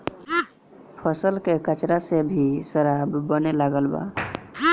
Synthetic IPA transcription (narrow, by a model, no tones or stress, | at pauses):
pʰəsəlkekət͡ʃɾasebʱisəɾabːənelaɡəlba̰